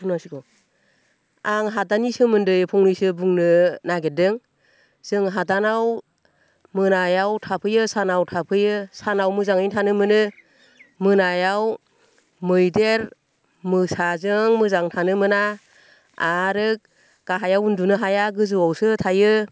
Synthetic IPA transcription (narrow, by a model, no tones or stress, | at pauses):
unasikɔ | aŋɦadanisɯmɯndɯjpʰɔŋnisɯbuŋnɯnaɡedɯŋ | z̥ɯŋɦadanaw | mɯnajawtʰapʰɯjɯsanawtʰapʰɯjɯsanawmɯzaŋɯjŋtʰanɯmɯnɯ | mɯnajaw | mɯjdeɾ | mɯsazɯŋmɯzaŋtʰanɯmɯnaː | ɾɯk̚ | ɡ̥aɦajawundunɯɦajaɡɯzɯwawsɯtʰajɯ